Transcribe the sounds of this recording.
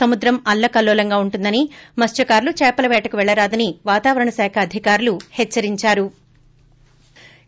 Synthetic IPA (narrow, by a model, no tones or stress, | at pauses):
ɐmud̪ɾɐmɐlːɐkɐlːɔːlɐŋɡaːuɳʈund̪ɐnimɐst͡ʃɐkaːɾlut͡ʃɛːpɐlɐʋɛːʈɐkuʋɛɭːɐɾaːd̪ɐniʋaːt̪aːʋɐɾɐɳɐsaːkʰɐːd̪ʱikaːɾuluhɛt͡ʃːɐɾiɲt͡ʃaːɾu